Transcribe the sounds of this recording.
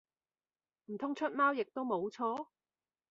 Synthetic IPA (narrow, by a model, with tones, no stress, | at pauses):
m̩˨˩t̪ʰʊ˥ŋt͡ʃʰɵ˥t̚maː˥wjɪ˨k̚t̪o˥wmo˨˧wt͡ʃʰɔː˥